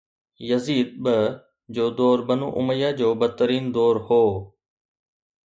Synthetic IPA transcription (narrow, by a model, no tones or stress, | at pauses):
jəziːd̪̚bə | d͡ʑoːd̪oːɾbənṵːʔʊ̰məjaːd͡ʑoːbət̪ːəɾiːnd̪ɔːɾhoː